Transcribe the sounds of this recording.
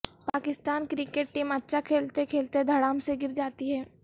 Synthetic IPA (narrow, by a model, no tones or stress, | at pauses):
paːkɪst̪aːnkɾɪkeʈ̚ʈiːmɐtːʃʰakʰeːlt̪ekʰeːlt̪ed̪ʱɐɽaːmseɡɪɾd͡ʒaːt̪iɦɛ̃ː